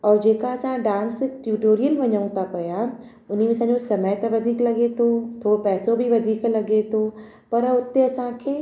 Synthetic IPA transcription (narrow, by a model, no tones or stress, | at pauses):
ɔːɾd͡ʑeːkaɐsãɖãːnsʈjuːʈoːɾijəlʋɐɲəũt̪ʰapɐja | ʊn̤imẽɐsãːɲd͡ʑosɐməjt̪ɐʋɐd̪ʱiːklɐɡet̪ʰot̪ʰoːɽopɛːsobʱiʋɐd̪ʱiːklɐɡet̪ʰo | pɐɾʊt̪eɐsãkʰeː